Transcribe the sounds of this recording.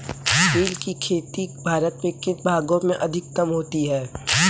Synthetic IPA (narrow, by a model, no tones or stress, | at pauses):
piːlkikʰeːt̪ibʱaːɾət̪mẽkɪnbʱaːɡõmẽʔɐd̪ʱɪkːɐmɦoːt̪iɦɛː